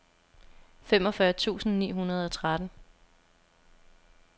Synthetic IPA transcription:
fem̰ɒ̽fɶɐt͡sʰṵːsn̩nḭːɦunɐð̞ˠɒ̽t͡sʰʁad̥n̩

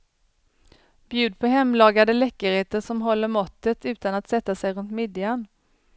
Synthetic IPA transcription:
b̥jʉ̟ːd̪̚pʰɔɦɛmːlɑːɡad̪əlɛkːəɾheːt̪əʂɔmɦɔlːəɾmɔt̪ːət̪ʉ̟ːt̪anat̪sɛt̪ːasɛjɾɵnt̪mɪd̪jan

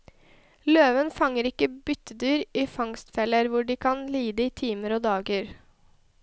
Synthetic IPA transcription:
løːʋənfɑŋəɾɪkəbʏt̪əd̪yːɾiːfɑŋst̪fɛləɾʋʊɖiːkʰɑnliːd̪əiːt̪ʰiːməɾoːd̪ɑːɡəɾ

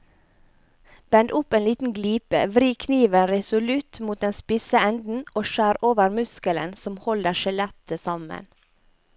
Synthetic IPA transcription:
b̥ɛnd̪ʊpeːnliːt̪n̩ɡliːpə̰ʋɾiːkʰniːʋənɾɛsʊlʉt̪muːt̪̚ɛːnspɪsəɛnd̪n̩ʔoːʃæːɾoːʋəɾmʉskələ̰nsɔmhɔləʃɛlɛt̪əsɑmə̰n

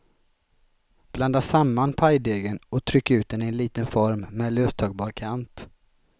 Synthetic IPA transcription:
b̥land̪asamːanpʰajd̪eːɡənɔt̪ʰɾʏkːaʉ̟ːt̪̚d̪ɛnɪɛnliːt̪ənfɔɾmːɛløːst̪ʰɑːɡbɑːɾkʰant̪

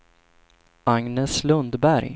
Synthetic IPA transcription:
aŋnɛslɵnd̪bæɾj

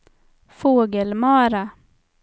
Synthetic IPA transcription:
foːɡəlmɑːɾa

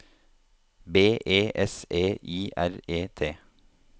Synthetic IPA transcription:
beːʔeːʔɛseːʔiːʔæɾeːt̪ʰeː

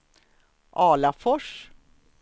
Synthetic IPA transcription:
ʔɑːlafɔʂ

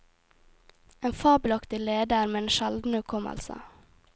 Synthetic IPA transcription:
eːnfɑːblɑkt̪ɪleːd̪əɾmeːeːnʃɛld̪n̩ʉkʰɔmə̰lsə̰

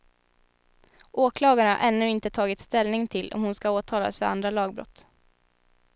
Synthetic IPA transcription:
ʔoːkʰlɑːɡaɳa̰ʔɛnːʉːɪnt̪ət̪ʰɑːɡɪt̪st̪ɛlnɪŋt̪ʰɪlːʔɔ̰mhʊnskaoːt̪ʰɑːla̰sfœɾa̰nd̪ɾalɑːɡ̚bɾɔ̰t̪ː

